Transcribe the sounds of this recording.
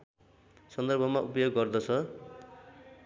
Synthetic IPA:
sʌnd̪ʌrbʱʌmaʔupʌjoɡːʌrd̪ʌt͡sʰʌ

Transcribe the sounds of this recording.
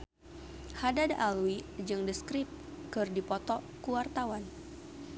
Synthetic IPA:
hadadaluid͡ʒɨŋdəskɾip̚kɨrdipɔt̪ɔ | kuwart̪awan

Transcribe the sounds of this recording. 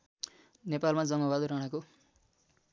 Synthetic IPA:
nepalmad͡zʌŋʌbad̪ɾʌɽ̃ʌko

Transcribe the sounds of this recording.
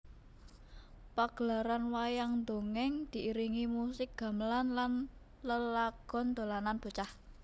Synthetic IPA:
paɡ̥əlaɾanwajaŋnd̪o̤ŋɛŋd̪̥i̤ʔiɾiŋimusɪk̚ɡ̥a̤məlanlan | ləlaɡ̥ɔ̤nd̪̥o̤lananb̥o̤t͡ʃah

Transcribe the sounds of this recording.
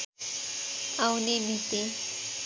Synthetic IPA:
awnimit̪i

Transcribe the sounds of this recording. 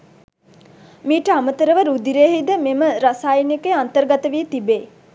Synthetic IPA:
miːʈəamət̪əɾəʋəɾud̪iɾeːɦid̪əmeməɾasaːjinikeant̪əɾɡat̪əʋiət̪ibeː

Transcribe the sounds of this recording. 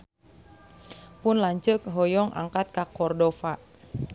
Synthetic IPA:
pʊnlaɲt͡ʃək̚ɦɔjɔŋʔa̰ŋkat̪̚kakɔrdɔfa

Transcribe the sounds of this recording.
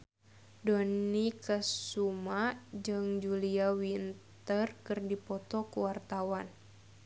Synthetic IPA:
dɔnikəsumad͡ʒɨŋd͡ʒuliawint̪ərkɨrdipɔt̪ɔkuwart̪awan

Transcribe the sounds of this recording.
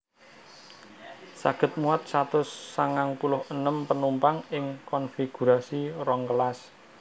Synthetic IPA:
saɡ̥ə̤t̪̚muat̪̚sat̪ʊsːaŋaŋpulʊhənəmpənumpaŋɪŋkɔnfiɡ̥ṳɾasiɾɔŋkəlas

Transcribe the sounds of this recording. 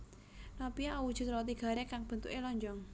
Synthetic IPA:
nɔpiaʔɔwud̥ʒ̥ṳt̪ɾɔt̪iɡ̥a̤ɾekaŋb̥ə̤nt̪ukelɔɲd͡ʒɔŋ

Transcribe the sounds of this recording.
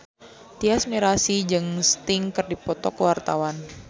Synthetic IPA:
t̪iasmiɾasid͡ʒɨŋst̪ɪŋkɨrdipɔt̪ɔkəwart̪awan

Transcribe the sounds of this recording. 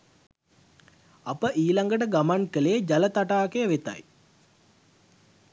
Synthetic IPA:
apəʔiːlaŋɡəʈ̬əɡamankəlejəd͡ʒalət̪aʈaːkejəʋet̪a̰j

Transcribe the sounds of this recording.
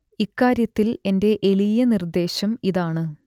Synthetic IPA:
ikːaːɾjɐt̪ːile̞nde̞ʔe̞lijɐnird̪e̞ːɕɐmiðaːɳɨ

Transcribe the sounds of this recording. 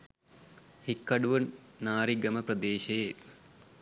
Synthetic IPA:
hikːɐɖuʋɐnnaːɾiɡɐmɐprɐd̪eːʃɐje

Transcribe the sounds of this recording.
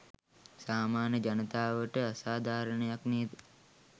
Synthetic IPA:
saːmaːnəd͡ʒanət̪aːʋəʈəasaːd̪ʱaːɾəɳejakneːd̪ə

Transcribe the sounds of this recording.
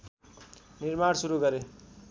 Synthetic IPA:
nirmaɽsuɾuɡʌɾe

